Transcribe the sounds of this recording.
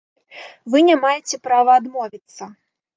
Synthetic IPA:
vɨnʲamajɛt͡sʲɛpɾavɐːd̪mɔvʲit̪sːɐ

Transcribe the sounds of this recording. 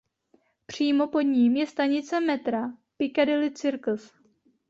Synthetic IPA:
pr̝̥iːmo̞po̞d̪ɲiːmjɛst̪aɲɪt͡sɛmɛt̪ɾapɪkadɪlɪt͡sɪɾkl̩s

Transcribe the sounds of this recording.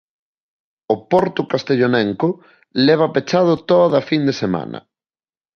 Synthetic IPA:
opɔɾt̪ʊkast̪eʎonɛŋkʊ | lɛβ̞ɐpet͡ʃað̞ʊt̪oðɐfind̪esema̰nɐ̰

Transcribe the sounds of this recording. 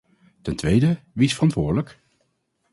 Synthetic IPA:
tɛntʋejdəʋisfərɑntʋʊːɹdələk

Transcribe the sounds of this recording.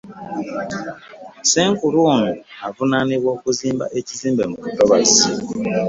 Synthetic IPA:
se̞ːŋkuɾuːnuuavunaniβwo̞ːkuziːmba̰ʔe̞ciziːmbe̞mukutoβazi

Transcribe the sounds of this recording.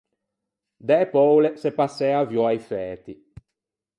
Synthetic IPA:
d̪ɛpɔwlesepasːɛːavjɔajfɛːt̪i

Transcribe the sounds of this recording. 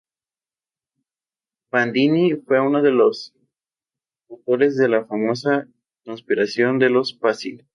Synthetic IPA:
pand̪inifwe̞unoðe̞lo̞s | awt̪o̞ɾe̞zðe̞lafamo̞sa | ko̞nspiɾasjo̞nd̪e̞lo̞spasi

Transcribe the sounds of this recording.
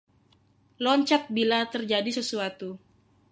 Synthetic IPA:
lɔɲt͡ʃak̚bilat̪ərd͡ʒadisəsuat̪u

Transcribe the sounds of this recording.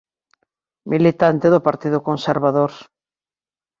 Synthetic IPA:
milit̪ant̪eðʊpaɾt̪iðʊkonseɾβaðoɾ

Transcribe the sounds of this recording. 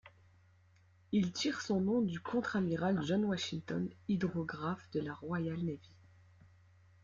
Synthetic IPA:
ilt̪iʁsɔ̃nɔ̃d̪ykʰɔ̃t̪χamiʁalʒɔnwaʃiŋt̪ɔ̰nid̪ʁɔɡʁafd̪əlaʁwajalnavi

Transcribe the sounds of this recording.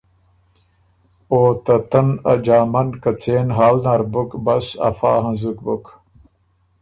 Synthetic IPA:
oːt̪ɐt̪ɐnɐ̰d͡ʑaːmɐnkɐt͡seːnɦaːlnaɾbukbɐsɐ̰faːɦɐ̃zukbuk

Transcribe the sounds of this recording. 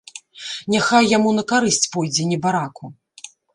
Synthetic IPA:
nʲaxajːamunɐkaɾɨsʲt͡sʲpɔjd͡zʲɛnʲɛbaɾaku

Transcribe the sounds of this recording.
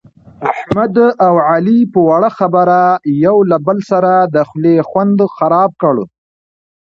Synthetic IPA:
aħmmad̪ʔawʕalipəwaɽaxabəɾajawlabəlsaɾad̪əxlexwand̪xaɾɑb̚kəɽ

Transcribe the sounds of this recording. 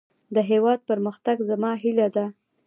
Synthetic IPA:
d̪əɦewɑd̪̚pəɾməxt̪aɡzamɑɦilad̪a

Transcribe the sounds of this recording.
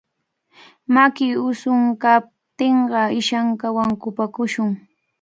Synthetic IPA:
makɪʊsʊŋkap̚t̪eɴɢɑɪʃaŋkawaŋkʊpakʊʃʊŋ

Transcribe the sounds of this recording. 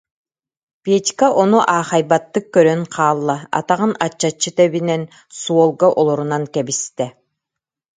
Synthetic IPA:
piɛt̪ʲkaʔɔnuʔaːχajbat̪ːɯkːœɾœŋqʰaːlˠːa̰ːt̪aʁɯnat͡ɕːat͡ɕːɯt̪ɛβinɛn | suɔlˠɡaʔɔlˠɔɾunankɛbist̪ɛ

